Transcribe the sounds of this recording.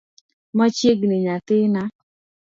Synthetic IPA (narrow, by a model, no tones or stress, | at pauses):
mat͡ʃjeɡneɲat̪ɪna